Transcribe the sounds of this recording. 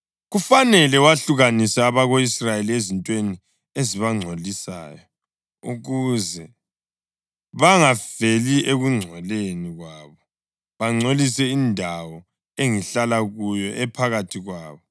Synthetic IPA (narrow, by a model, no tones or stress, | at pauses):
ɣufanɛlɛwaɬuɣanisaːβaɣoisrajeliezintʼweni | eziβaŋ͡ǀʱolisa̰ːjɔ | ṵɣuzɛ | βaŋav̥eliʔeɣuŋ͡ǀʱɛleniɣwaːβɔ | βaŋ͡ǀʱolisɛindʱawɔ | eŋiɬalaɣujɔʔɛpʰaɣatʰiɣwaːβɔ